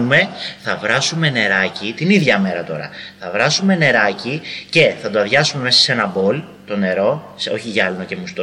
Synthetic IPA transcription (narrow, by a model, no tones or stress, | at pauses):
ume̞θɐvɾɐsume̞ne̞ɾɐcit̪iniðʝɐme̞ɾɐt̪o̞ɾɐ̰θɐvɾɐsume̞ne̞ɾɐcice̞θɐd̪oɐðʝɐsume̞me̞sɐ̥se̞nɐbo̞l | t̪o̞ne̞ɾo̞ | so̞çiʝɐlnoce̞must̪o